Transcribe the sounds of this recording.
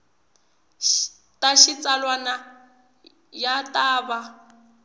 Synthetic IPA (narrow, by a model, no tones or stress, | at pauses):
tʼaʃit͡sʼalwana | jatʼaːba